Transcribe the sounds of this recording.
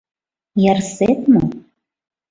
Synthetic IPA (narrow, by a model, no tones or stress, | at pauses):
jɛrset̪mo